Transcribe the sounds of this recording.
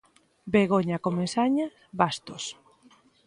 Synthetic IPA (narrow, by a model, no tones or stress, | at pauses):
beɣoɲakomẽsaɲa | bast̪os